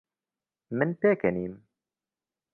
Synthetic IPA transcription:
mɨnpeːkɛniːm

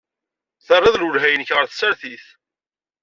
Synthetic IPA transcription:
θərˤːɑðlulɦæjənəçʁəɾθə̥sːæɾθiθ

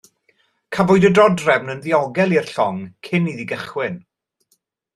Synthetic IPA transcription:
kʰavʊɨdədrɔdrɛvnənðiɔɡɛlˠir̥ɬɔŋkʰɪniðiɡəχwɪn

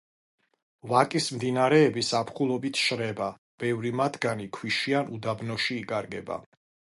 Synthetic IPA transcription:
vakʼismd̪inaɾɛːbisapʰχulˠɔbit̪ʰʃɾɛba | b̥ɛvɾimat̪ʰɡanikʰwiʃianud̪abnɔʃiːkʼaɾɡɛba̰

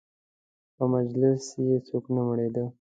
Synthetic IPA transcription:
pəmad͡ʒlɪsjet͡soknaməɽed̪ə

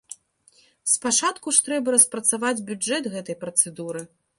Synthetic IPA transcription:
spat͡ʂat̪kuʂt̪ɾɛbɐɾɐspɾɐt̪savad͡zʲbʲud͡ʐɛt̪ɣɛt̪ɐjpɾɐt̪sɛd̪uɾɨ

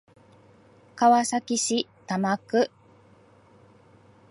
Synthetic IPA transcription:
kaβasakʲiɕit̪amakɯ̟

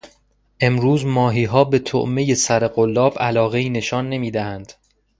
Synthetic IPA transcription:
ʔe̞mɾuːzmɒːɦiːɦɒːbe̞t̪ʰo̰ʔme̞je̞sæɾe̞ɢolːɒːbælɒːɣe̞iːne̞ʃɒːnːe̞miːd̪æhænd̪̥

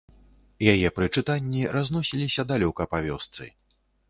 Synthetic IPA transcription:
jajɛpɾɨt͡ʂɨt̪anʲːiɾaznɔsʲilʲisʲɐd̪alʲɔkɐpavʲɔst̪sɨ̰

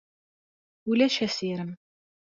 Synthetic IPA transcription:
ulæʃæsiɾəm

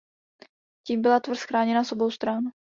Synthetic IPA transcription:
ciːmbɪlat̪vr̩sxɾaːɲɛnaso̞bo̞wst̪ɾan

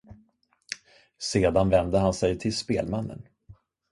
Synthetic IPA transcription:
seːd̪anvɛnd̪əhansɛjt̪ʰɪlspeːlmanːə̰n

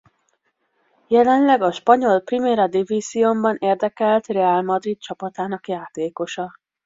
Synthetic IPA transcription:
jɛlɛnlɛɡɒʃpɒɲo̞lprimeːɾɒd̪iviːziombɒneːrd̪ɛkɛlt̪rɛaːlmɒd̪rit̪̚t͡ʃɒpɒt̪aːnɒkjaːt̪eːko̞ʃɒ

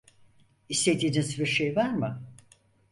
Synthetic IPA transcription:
ist̪ed̪iːninzbiɾʃejvaɾmɯ

